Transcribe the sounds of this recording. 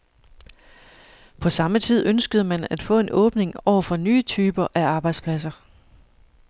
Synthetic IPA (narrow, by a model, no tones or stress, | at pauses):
pʰɒ̽sɑ̈mət͡sʰið̞̰ˠʔønsɡ̥əð̞̩ˠəmænæd̥fɔ̰̽ːe̝nʔɔ̽ːb̥ne̝ŋɒʊ̰ɐfɒ̽nyːt͡sʰyːb̥ɐʔæɑ̈ːb̥ɑ̈ɪd̥spʰlæs̬ɐ